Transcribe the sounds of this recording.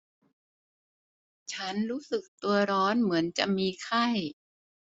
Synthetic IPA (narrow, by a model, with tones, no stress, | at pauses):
t͡ɕʰa˦˥nɾuː˦˥sɯ˨˩k̚t̪u˧ɐɾɔː˦˥nmɯ˩˦ənt͡ɕa˨˩ʔmiː˧kʰa˥˩j